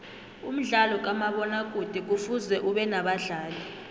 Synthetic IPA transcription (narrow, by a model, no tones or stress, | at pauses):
um̩ɮalɔk̬amaɓɔnak̬ʼud̥ʱik̬ufuzɛʔuɓɛnaɓaɮaːli